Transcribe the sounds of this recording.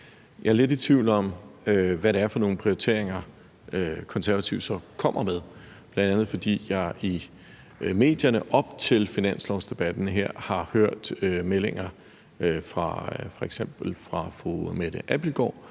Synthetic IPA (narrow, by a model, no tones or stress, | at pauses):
jɑæɐle̝dit͡sʰʋiʊ̰lɒ̽møʋæɾeæɐfɒ̽no̝ːn̩pʰʁioit͡sʰe̝̰ɐ̰eŋɐ | økʰɒ̽nsæɐæt͡sʰiʊd̥sɒ̽kʰɒ̽m̰ɐmeðˠ | b̥lænd̥ænð̩ˠfɒ̽d̥ḭːjɑ̈ɪʔi | me̝̰ːd̥jɐnəʔɒ̽b̥t͡sʰe̝lfinæn̰slɒʊsd̥e̝b̥æd̥n̩ɦeɐ̰hɑ̈høɐ̰d̥ømele̝ŋɐ | fʁɑ̈fɒ̽eɡ̥sem̰b̥l̩fʁɑ̈fʁomed̥əʔæb̥l̩ɡ̥ɒ̰ː